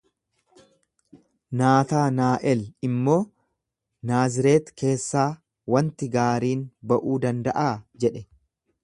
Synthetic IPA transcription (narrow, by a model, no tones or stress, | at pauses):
naːt̪aːnaːʔɛlɪmːo̞ː | naːzɪɾe̞ːt̪kʰe̞ːsːaː | wɐnt̪ɪɡaːɾiːnbɐʔuːd̪ɐnd̪ɐʔaːd͡ʒɛᶑɛ